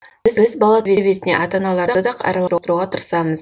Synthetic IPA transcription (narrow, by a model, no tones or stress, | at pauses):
ɪzbɪzbɑlˠɑbebe̞sɪne̞̰ʔɑt̪ɑnɑlˠɑɾɑd̪ɑqɑ̰ɾɑlˠɑɾut̪ɾuʁɑt̪ʰʊɾsɑməz